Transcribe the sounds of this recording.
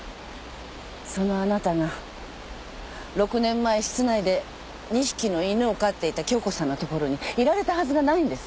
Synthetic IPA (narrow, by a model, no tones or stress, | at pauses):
so̞no̞anat̪aɡa | ɾo̞kɯ̟nẽ̞mːaeɕi̥t͡sɨnaid̪e̞ | ɲ̟iɕi̥kʲino̞inɯ̟okat̪ːe̞it̪akʲo̞ːko̞sãnːot̪o̞ko̞ɾo̞ɲ̟iiɾaɾe̞t̪ahazɨɡanaĩnd̪e̞sɨ̥